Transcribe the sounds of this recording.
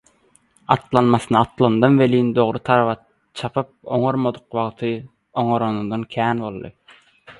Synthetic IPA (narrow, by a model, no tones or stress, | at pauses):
ɑt̪lˠɑnmɑsɯnɯɑt̪lˠɑnd̪ɑnvelind̪o̞ʁɾɯt̪ʰɑɾɑβɑ | t͡ʃʰɑpʰɯp̚oŋoɾmod̪ɯq̚wɑʁt̪ʰɯ | oŋoɾonund̪ɑnkʲʰæːnbo̞lˠːɯ̰